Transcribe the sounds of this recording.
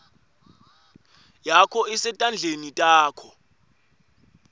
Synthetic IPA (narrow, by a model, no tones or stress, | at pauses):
jakʰɔisɛtʼand͡ɮʱenitʼaːkʰɔ